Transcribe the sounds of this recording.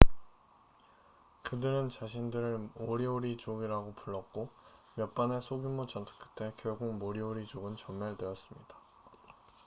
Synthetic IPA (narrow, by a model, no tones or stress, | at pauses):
kɯdɯɾɯnt͡ɕaɕʰindɯɾɯɭmoɾioɾit͡ɕoɡiɾaɡopuɭːʌk̚k͈omjʌp͈anesʰoɡimːot͡ɕʌntʰɯ̥k͈ʰɯ̥t͈ʰekjʌɭɡuŋmoɾioɾit͡ɕoɡɯnt͡ɕʌmmaɭdweʌs͈ɯmɲid̥a